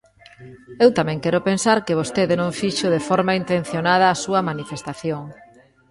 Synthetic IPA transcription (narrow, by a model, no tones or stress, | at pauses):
ewt̪amɛ̃ŋkɛɾʊpensaɾkɪβost̪eðɪnõŋfiʃʊðefɔɾmaint̪ẽn̟θjonað̞ɐːsuɐmanifest̪aθjoŋ